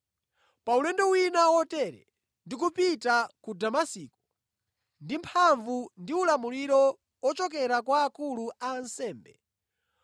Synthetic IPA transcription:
paulɛndɔwinawɔtɛɾɛ̰ | ndik̬upitakudamasiku̥ | ndimpʰaɱvundiulamuliɾɔ | ɔt͡ʃɔk̬ɛɾakwaːkuluansɛːmbɛ

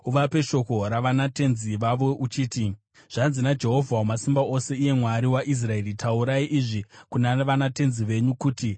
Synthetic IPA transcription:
uʋape̞ʃo̞koɾaʋanate̞nziʋaʋo̞ʔut͡ʃiːti | ʐ̥anzinad͡ʒe̞ɦo̞vʱaomasimbao̞se̞ije̞mwaɾiwaʔis̬rae̞ritauɾaiʔiʐikunaeʋanate̞nziʋe̞ɲukuːti

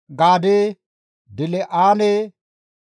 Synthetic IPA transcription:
ɡaːde | dɪleʔaːne

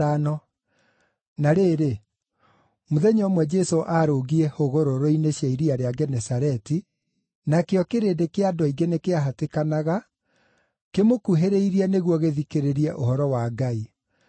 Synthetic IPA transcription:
anɔ | naɾeːɾe | moðɛɲɔmwɛd͡ʒɛsoʔaɾoɡiɛhoɣoɾoɾoineɕjaiɾiaɾeaɡɛnɛsaɾɛti | nakeɔkeɾedekeadɔiɡenekeaɦatekanaɣa | kemokuɦeɾeiɾiɛneɣwɔɣeðikeɾeɾiɛʔohɔɾɔwaɡai

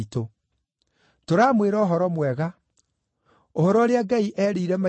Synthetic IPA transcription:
ito | toɾaːmweɾaoɦɔɾɔmwɛɣa | ohɔɾɔɾeaɡaiʔɛɾiiɾɛma

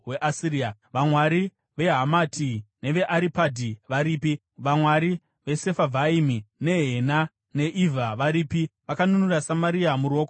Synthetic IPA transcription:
we̞ʔasiɾiaʋamwaɾi | ʋe̞ɦamatʰine̞ʋe̞ʔaɾipadʱiʋaɾiːpi | ʋamwaɾi | ʋe̞se̞favʱaimine̞ɦe̞na | ne̞ʔivaʋaɾiːpiʋakanunurasamaɾiamuɾo̞ːko

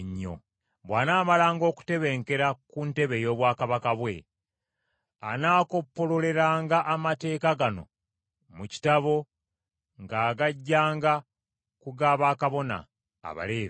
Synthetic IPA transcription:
ɲːo̞̰ | βwaːnaːmalaːŋɡo̞ːku̥te̞βe̞ŋke̞ɾakunte̞βe̞jo̞ːβwaːkaβakaβwe̞ | anaːko̞pːo̞lo̞le̞ɾaːŋɡaʔamate̞ːkaɡano̞̰ | muci̥taβo̞ | ŋɡaːɡaɟːaːŋɡa | kuɡaːβaːkaβo̞na̰ː | βa̰le̞ːβi

